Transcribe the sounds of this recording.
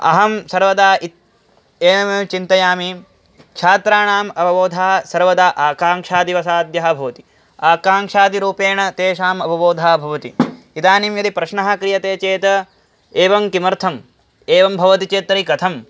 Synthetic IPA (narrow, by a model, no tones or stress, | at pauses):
ɐ̰ɦɐmsɐɾʋɐd̪aːit̪̚ | eːɐmɐt͡ʃint̪ɐjaːmi | kʃʰaːt̪ɾaːɳaːmɐbɐʋoːd̪ʱaːɦɐsɐɾʋɐd̪aːʔaːkaːŋʂaːd̪iʋɐsaːd̪jɐɦɐ̆bʱɐʋɐt̪i̥ | aːkaːŋʂaːd̪iɾuːpeːɳɐt̪eːʃaːmɐbɐboːd̪ʱaːbʱɐʋɐt̪i | id̪aːnimjɐd̪ipɾɐʃɳɐɦɐkɾijɐt̪eːt͡ʃeːt̪ɐ | eːʋɐmkimɐɾt̪ʰɐm | eːʋɐmbʱɐʋɐt̪it͡ʃeːt̪ɾɐikɐt̪ʰɐm